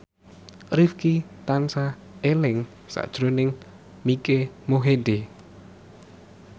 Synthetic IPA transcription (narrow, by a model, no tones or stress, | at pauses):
rifkit̪ansa | elɪŋ | sa̰ʔd̥ʒ̥ɾonɪŋ | mikemoɦed̪e